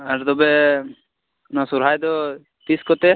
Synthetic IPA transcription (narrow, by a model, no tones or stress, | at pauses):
aɾt̪ɔbɛ | nasuɾɦajd̪ɔ | t̪iskɔt̪ɛ